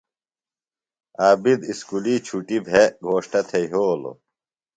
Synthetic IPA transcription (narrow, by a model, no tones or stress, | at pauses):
aːbid̪iskuliːt͡ɕʰuʈibʱɦeɡʱoːɕʈɐt̪ʰeiɦoːlo̰